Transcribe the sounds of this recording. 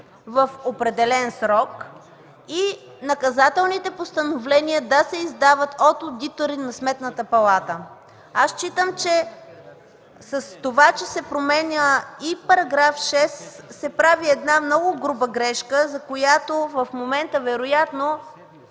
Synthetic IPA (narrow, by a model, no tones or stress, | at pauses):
vɐfopɾɛd̪ɛlɛnsɾɔk | i | nɐkɐzat̪ɛlˠnit̪ɛpost̪ɐnovlɛniəd̪ɐsɛizd̪avət̪ot̪od̪it̪oɾinɐsmɛt̪nət̪əpɐlˠat̪ə | ast͡ʃit̪əmt͡ʃɛ | sɐst̪ovat͡ʃɛsɛpɾomɛnʲəipɐɾɐɡɾafʃɛsːɛpɾaviɛd̪namnɔɡʊɡɾubəɡɾɛʃkəzɐkojat̪ovɐfmomɛnt̪əvɛɾojat̪no